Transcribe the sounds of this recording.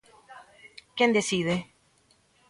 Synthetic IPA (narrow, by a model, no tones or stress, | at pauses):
kjend̪esiðe